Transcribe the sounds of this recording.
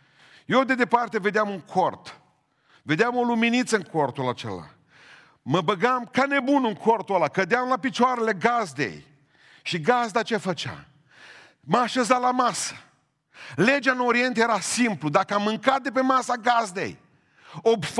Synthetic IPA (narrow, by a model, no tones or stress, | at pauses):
jewd̪e̞d̪e̞part̪e̞ve̞d̪eamuŋkʰo̞rt̪ | ve̞d̪eamo̞luminit̪səɨŋko̞rt̪ulat͡ʃe̞̰la̰ | məbəɡamkane̞bunɨŋkʰort̪ualakəd̪eamlapit͡ʃoaɾe̞le̞ɡazd̪ḛj | ʃiɡazd̪at͡ʃe̞fət͡ʃa̰ | məaʃezalamasə̥ | le̞d͡ʒaɨnoɾie̞nt̪ejeɾasimplud̪akəamːɨŋkat̪̚d̪e̞pe̞masaɡazd̪ḛj | obf